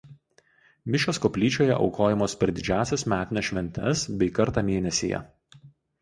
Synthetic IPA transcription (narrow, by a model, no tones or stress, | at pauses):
mʲɪʃʲoːskɔpʲlʲiːt͡ʃʲoːjɛ̰ʔɒ̰ʊkoːjɛmoːspʲɛɾʲd̪ʲɪd͡ʒʲæːˑsʲɛsmʲæːt̪ʲɪnʲɛʃʲʋʲɛnʲt̪ʲɛsbʲɛɪkɐɾt̪ɑːmʲeːnʲɛsʲḛːjɛ̰